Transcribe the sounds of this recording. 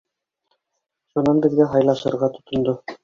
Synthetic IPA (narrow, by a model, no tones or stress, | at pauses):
ʃunɑnbɘ̆ðɡæɦɑjlˠɑʃɤ̆ɾʁɑt̪ŏ̥t̪ŏnd̪o